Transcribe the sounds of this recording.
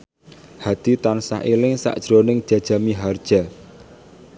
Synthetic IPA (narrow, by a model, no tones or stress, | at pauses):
had̪̥i̤t̪ɔnsa̰hilɪŋsa̰ʔd̥ʒ̥ɾonɪŋd̥ʒ̥ä̤̥ʒ̥a̤miɦard̥ʒ̥a̤